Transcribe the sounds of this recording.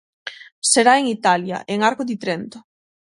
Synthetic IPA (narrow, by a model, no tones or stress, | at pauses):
seɾaeŋit̪alja̰ʔeŋaɾkoðit̪ɾent̪ʊ